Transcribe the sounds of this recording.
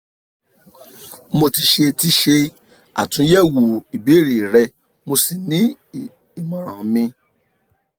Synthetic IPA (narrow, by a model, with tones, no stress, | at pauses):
mo˧ti˧ʃe˧ti˧˦ʃe˧ | a̰˨tũ˨˦jɛ˦wo˨i˨be˨˦˨ɾi˨ɾɛ˧ | mo˧si˨nĩ˨˦ | i˨mɔ̃˨ɾ̃ã˨˦mĩ˧